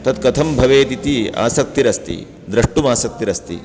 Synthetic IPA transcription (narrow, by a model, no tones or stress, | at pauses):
t̪ɐt̪̚kɐt̪ʰɐmbʱɐʋeːt̪it̪ia̰ːsɐk̚t̪iɾɐst̪ḭ | d̪ɾɐʂʈumaːsɐk̚t̪iɾɐst̪ḭ